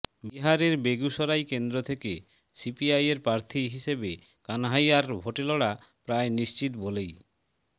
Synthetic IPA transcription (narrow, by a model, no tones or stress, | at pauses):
biɦaɾeɾbeɡuʃɔɾajkend̪ɾot̪ʰeke | sipiajeɾpɾaɾt̪ʰiɦiʃebe | kanaɦajaɾbʱoʈeloɽa | pɾaeniʃt͡ɕit̪bolej